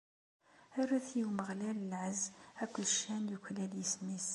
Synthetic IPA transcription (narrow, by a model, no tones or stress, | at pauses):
æɾːæθjəwməʁlæləlʕəzækʷːʊðʃænjuçlæljəsnis